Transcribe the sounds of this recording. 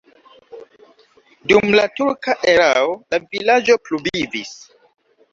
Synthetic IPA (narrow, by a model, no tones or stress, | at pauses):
dumlatuɾkaʔeɾaolavilad͡ʒo̞plubivis